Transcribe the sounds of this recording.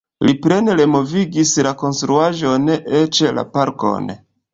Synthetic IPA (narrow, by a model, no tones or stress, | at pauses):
lipɾe̞neɾe̞mo̞viɡislako̞nst̪ɾuaʒo̞net͡ʃela̰paɾko̞̰n